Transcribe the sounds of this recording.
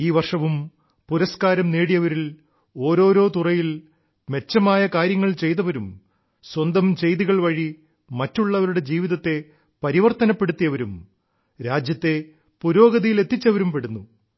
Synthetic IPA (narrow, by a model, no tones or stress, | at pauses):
iːʋɐrʂɐʋum | puɾɐskaːɾɐmneːɽijɐʋɐɾil | o̞ːɾo̞ːɾo̞ːt̪urɐjil | me̞t͡ɕːɐmaːjɐkaːɾjɐŋːɐɭt͡ɕe̞jt̪ɐʋɐɾum | swɐnd̪ɐmt͡ɕe̞jðiɣɐɭʋɐɻi | mɐtːuɭːɐʋɐɾuɽe̞d͡ʑiːʋiðɐt̪ːe̞ | pɐɾiʋɐrt̪ɐnɐpːe̞ɽut̪ːijɐʋɐɾum | ɾaːd͡ʑjɐt̪ːe̞ | puɾo̞ːɡɐðijile̞t̪ːit͡ɕːɐʋɐɾumpeɽunːu